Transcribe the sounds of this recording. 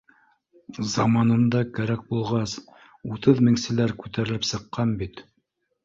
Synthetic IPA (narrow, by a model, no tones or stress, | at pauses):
zɑmɑnɤ̆md̪ɑkæɾæk̚bulˠʁɑs | ut̪ɤðmɘ̆ŋsɘ̆læɾkʉt̪æɾɘ̆lɘpsɤ̆qːɑnbit̪